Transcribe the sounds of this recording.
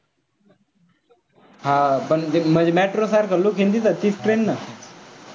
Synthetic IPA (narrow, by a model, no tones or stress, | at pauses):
ɦãpəɳem̤əd͡ʑemɛʈɾosaɾkəlːokʰẽnd̪it̪at̪iːsʈɾenːa